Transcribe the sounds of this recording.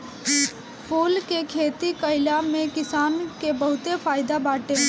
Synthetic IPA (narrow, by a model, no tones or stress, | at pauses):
pʰuːlkekʰeːt̪ikɐɪlamẽkɪsaːnkebɐɦʊt̪efaːɪd̪abaːʈe